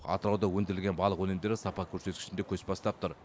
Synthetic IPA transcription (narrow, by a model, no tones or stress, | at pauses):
ɑ̰t̪əɾɑwd̪ɑwɵnd̪ɪɾɪlʲɡʲe̞nbɑlˠəqwɵnemd̪e̞ɾɪsɑpɑkʲʰɵɾse̞t̪kʲɪ̥ʃɪnd̪ekʲʰɵspɑst̪ɑpt̪ʊɾ